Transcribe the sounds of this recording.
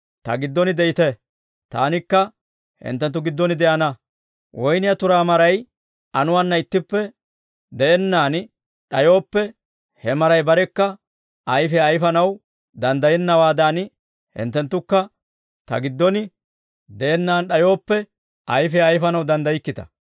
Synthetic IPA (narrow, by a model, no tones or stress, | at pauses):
t̪ɐ̰ɡɪd̪ːɔnɪd̪ɛɪt̪ɛ | t̪a̰ːnɪkːɐ | hɪ̰nt̪ːɛnt̪ːʊɡɪd̪ːɔnɪd̪ɛʔɐnɐ | wʔɔjnɪjɐt̪ʊɾaːmɐɾɐj | ɐnʊwanːɐɪt̪ːɪpːɛ | d̪ɛʔɛnːaːn | ɗɐjo̞ːpːɛ | hɛmɐɾɐjbɐɾɛkːɐ | ɐjfɛɐjfɐnɐw | d̪ɐnd̪ɐjɛnːɐwaːd̪aːn | hɪ̰nt̪ːɛnt̪ːʊkːɐ | t̪ɐ̰ɡɪd̪ːɔnɪ | d̪ɛʔɛnːaːnɗɐjo̞ːpːɛ | ʔɐjfɛɐjfɐnɐwd̪ɐnd̪ɐjɪkːɪt̪ɐ̥̰